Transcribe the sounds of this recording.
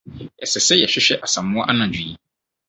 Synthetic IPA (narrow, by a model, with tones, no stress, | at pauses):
ɛ˨sɛ˨se˦jɛ˨ɕᶣɪ˦ɕᶣɛ˦ʔa˨sã˨mːʊ̃˦a˦ʔa˦nã˨d͡ʑᶣi˨ji˦